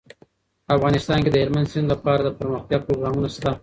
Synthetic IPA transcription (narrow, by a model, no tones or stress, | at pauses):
afɣɑnɪst̪ɑnked̪əɦeɾmand̪sɪnd̪lapɑɾad̪əpəɾməxt̪jɑːɡ̚pɾoɡɾɑmunast̪a